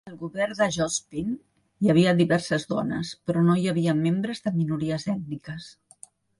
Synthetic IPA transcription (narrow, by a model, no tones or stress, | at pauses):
əlˠɣuβɛrd̪əʒɔspin | jəβ̞iəðiβɛrsəzðɔ̰nəspɾɔnojəβiəmːembɾəzðəminuɾiəzɛt̪̚nikəs